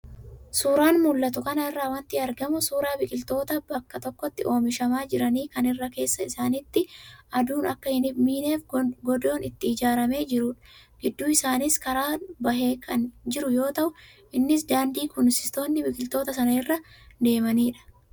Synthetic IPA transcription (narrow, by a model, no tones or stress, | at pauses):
suːɾaːnmʊlːɐt̪̬ʊkɐnɐɪrːaːwɐnt̪ɪɐɾɡɐmʊsuːɾaːbɪkʼɪlt̪o̞ːt̪ɐbɐkːɐt̪ɔkːɔt̪ːɪʔo̞ːmɪʃɐmaːd͡ʒɪɾɐniːkɐnɪrːɐke̞ːsːɐɪsaːnɪt̪ːɪʔɐd̪uːnɐkːɐhɪnɪmiːneːfɡɔd̪o̞ːnɪt̪ːɪːd͡ʒaːɾɐme̞ːd͡ʒɪɾuːᶑɐ̥ɡ̥ɪd̪ːuːɪsaːnɪskɐɾaːbɐɦeːkʰɐnd͡ʒɪɾʊjo̞ːt̪ɐʔʊ | ʔɪnːɪs̬d̪aːnd̪iːkʊnsɪ̥st̪o̞ːnːɪbɪkʼɪlt̪o̞ːt̪ɐsɐnɐɪrːɐd̪e̞ːmɐniːᶑɐ̥